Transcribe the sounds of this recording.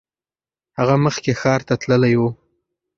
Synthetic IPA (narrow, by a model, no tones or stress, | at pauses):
haɣaməxkexɑɾt̪at̪ləlajwu